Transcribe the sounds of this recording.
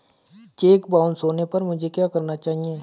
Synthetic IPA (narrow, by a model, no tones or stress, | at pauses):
t͡ʃeːkbaːʊnsoːnepɐɾmʊd͡ʒʱekjaːkɐɾnat͡ʃaːɦieː